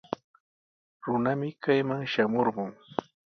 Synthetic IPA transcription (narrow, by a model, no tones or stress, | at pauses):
ɾʊnamɪkajmaŋʃamoɾɢʊŋ